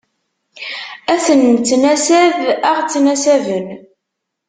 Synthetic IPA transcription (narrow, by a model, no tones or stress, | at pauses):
æsənt͡sːnæsæðæʁt͡sːnæsævən